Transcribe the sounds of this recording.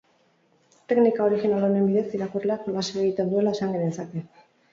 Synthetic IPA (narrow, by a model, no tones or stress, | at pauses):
t̪e̞knikao̞ɾixinalone̞mbiðe̞siɾakurle̞akolaseeɣit̪end̪ue̞lae̞saŋɡenesake̞